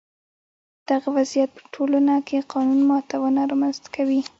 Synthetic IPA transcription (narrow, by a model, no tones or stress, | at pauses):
d̪̥aɣawazijat̪̚pə̥ʈʰolanakʰeqɑnunmɑt̪awənaɾɑmanzt̪akʰawi